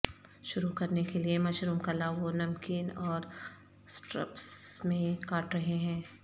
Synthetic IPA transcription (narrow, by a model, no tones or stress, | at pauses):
ʃʊɾukɐɾnekeliemɐʃɾuːmkɐlaʋonɐmkiːnɔːɾ | sʈɾɐ̰psmẽkaːʈɾɐɦeɦɛ̃ː